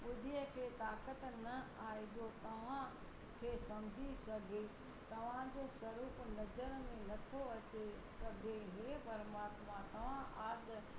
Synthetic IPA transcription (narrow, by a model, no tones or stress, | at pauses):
ʊd̪ʱijəkʰeːt̪aːkət̪nɐaːid̪ot̪ɐʋ̤ã | kʰeːsɐmd͡ʑʱisɐɡʱe | t̪ɐʋ̤ãd͡ʑoːsɐɾuːpnɐzəɾmẽnɐt̪ʰoɐt͡ɕesɐɡʱeɦepɐɾmaːt̪mãt̪ɐʋ̤ãʔaːd̪